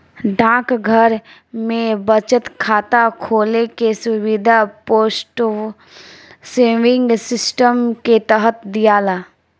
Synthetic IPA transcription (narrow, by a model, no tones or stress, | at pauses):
ɖãːkɡʱəɾ | mẽbət͡ʃət̪kʰaːt̪akʰoːlekesʊwɪd̪ʱapoːsʈ | seːʋɪ̃ŋɡsɪsʈəmket̪əɦət̪d̪ijaːlaː